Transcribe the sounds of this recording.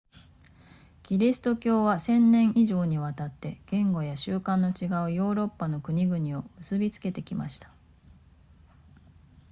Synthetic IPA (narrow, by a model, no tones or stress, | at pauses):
ɡ̥ʲiɾʲisɨ̥t̪o̞kʲo̞ːβasẽ̞nnẽ̞ɰ̃ʔiʑo̞ːɲ̟iβ̞at̪at̪ːe̞ɡ̥ẽ̞ŋɡo̞jaɕɨːkãnːo̞t͡ɕiɡaɯ̟jo̞ːɾo̞pːano̞kɯ̟ɲ̟iɡɯ̟ɲ̟io̞mɯ̟sɨbʲit͡sɨ̥ke̞t̪e̞kʲima̰ɕi̥t̪ḁ